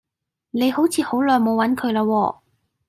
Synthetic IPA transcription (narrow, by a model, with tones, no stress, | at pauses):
ne˨˧jho˨˥wt͡sʰiː˨˧ho˨˥wlœː˨˧jmo˨˧wɐ˨˥nkʰɵ˨˧ɥlaː˧wɔː˧